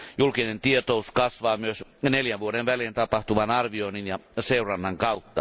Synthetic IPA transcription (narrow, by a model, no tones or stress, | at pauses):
julkinent̪iet̪ouskɑsʋɑːmyøsneljæʋʋuoɾeʋʋæleːnt̪ɑpɑht̪uʋɑnɑrʋioininjɑseurɑnːɑŋkɑut̪ːɑ̰